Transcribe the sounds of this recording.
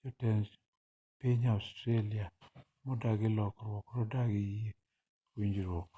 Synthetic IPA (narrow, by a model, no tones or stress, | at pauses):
d͡ʒɔtɛnd͡ʒ | piɲaʊstɾelia | mɔdaɡɪlɔkɾwɔkɾɔdaɡije | wiɲd͡ʒiɾwɔk